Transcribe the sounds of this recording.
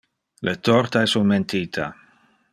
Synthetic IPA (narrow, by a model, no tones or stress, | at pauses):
let̪ɔrt̪aesunment̪ʰiːt̪ʰa̰